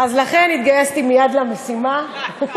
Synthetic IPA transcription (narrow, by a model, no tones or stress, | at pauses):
azlaχe̞nit̪ɡajest̪imijad̪lamesima